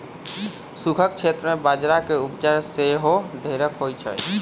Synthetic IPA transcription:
sukʰək̚t͡ʃʰet̪ɾəmebad͡ʒɾakeupt͡ʃaɾseɦoɖʱeɾəkɦojt͡ʃʰɛ̰j

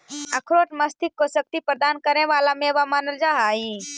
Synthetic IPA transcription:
əkʰɾoːʈməst̪ʰɪkːosək̚t̪ipɾəd̪aːnkəɾeʋalamẽʋamaːnəld͡ʒaɦaĩ

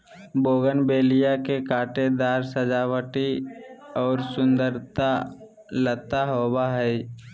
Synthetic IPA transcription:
boːɡənbeːlijakekaːʈed̪aːɾsəd͡ʒaːwəʈi | ɔːɾsʊ̃nd̪əɾt̪a | lət̪aɦoːbaɦɛɪ

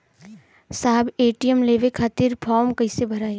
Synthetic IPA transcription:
saːbeːʈijəmleːʋekʰaːt̪iɾpʰɔːɾmkɐɪsebʱɐɾaːi

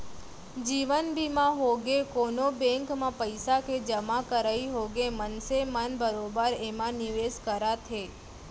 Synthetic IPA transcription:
d͡ʒiʋənbimãɦoɡekonobɛ̃ŋkmãpəjsaked͡ʒəmakəɾaiɦoɡemənsemanbəɾobəɾemãniʋeskəɾat̪ʰe

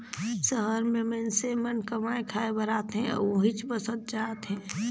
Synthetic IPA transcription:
səɦəɾmẽmensemənkəmaːẽkʰaːebəɾaːt̪ɦɛ̰̃oɦit͡ʃbəsət̪̚d͡ʒaːt̪ɦɛ̃ː

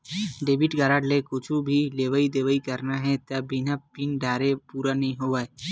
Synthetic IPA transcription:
ɖeːbɪʈɡaːɾaːɖlekʊt͡ʃʰubʱileːʋəid̪eːʋəikɐɾnaɦɛt̪ɐbbinapinɖaːɾepuːɾanɐɦĩɦoːʋae

